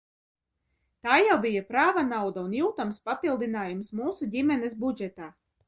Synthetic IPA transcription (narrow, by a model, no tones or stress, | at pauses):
t̪aːjawbijapɾaːvanawd̪aunjuːt̪amspapilˠd̪inaːjumsmuːsudʲimʲɛnɛsbud͡ʒɛt̪aː